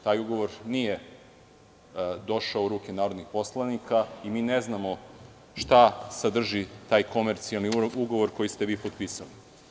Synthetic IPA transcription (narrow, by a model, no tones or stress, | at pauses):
t̪aːjuɡo̞ʋo̞ɾnije | d̪o̞ʃaoɾuːkʲe̞naːɾod̪nixpo̞slˠanikaimiːneznamo̞ | ʃt̪asad̪r̩ʒit̪aːjko̞meɾt̪sijalˠniuɡo̞ʋo̞ɾko̞jist̪eʋiːpot̪piːsali